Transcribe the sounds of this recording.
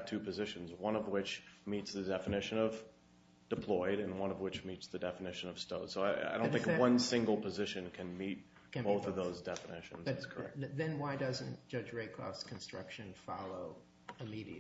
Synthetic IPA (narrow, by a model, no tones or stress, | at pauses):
tʰʉpʰɨzɪʃɨ̃nzwʌ̃nʌvwɪt͡ʃmitsðɨdɛfɨnɪʃɨ̃nʌv̥ | d̥ɨpʰl̥ɔɪɾɨ̃nwʌ̃nʌvwɨt͡ʃmitsðɨdɛfənɪʃɨ̃nʌv̥stoʊd̥soʊaɪa̰ɪdõʊ̃nθɪ̃ŋkwʌ̃nsɪ̃ŋɡl̩ˠpʰɨzɪʃɨ̃nkʰɨ̃nmit̚ | bʊθʌvðoʊzdɛfənɪ̰ʃɨ̃n̩zskʰə˞ɛ̰k̚ðɨ̃nwaɪdʌzɨ̃nd̥ʒ̥ʌd͡ʒɹeɪkʰɹ̥ɔ̰fskʰn̩stɹ̥ʌ̰kʃɨ̃nfɑlˠoʊ | ɨmiɾi